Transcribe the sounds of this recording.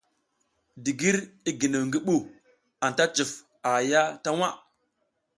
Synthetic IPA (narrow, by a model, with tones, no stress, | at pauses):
di˨ɡi˦ɾi˦ɡi˨nə˨ŋɡi˦ɓu˦ | a˨nta˦t͡ʃi˨f | a˨ja˦ta˦wa˦